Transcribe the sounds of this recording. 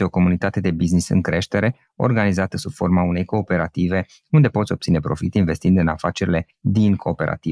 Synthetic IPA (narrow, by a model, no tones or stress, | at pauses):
eo̞ko̞munit̪at̪e̞d̪e̞biznisɨ̰ŋkɾe̞ʃt̪e̞ɾe̞ | o̞̰rɡanizat̪əsub̥fo̞rmaune̞jko̞ːpe̞ɾat̪ive̞ | und̪e̞po̞t̪sʲo̞b̚t̪sine̞pɾo̞fit̪inve̞st̪ind̪ɨna̰fat͡ʃe̞ɾile̞ | d̪inkʰo̞ːpe̞ɾʔa̰t̪i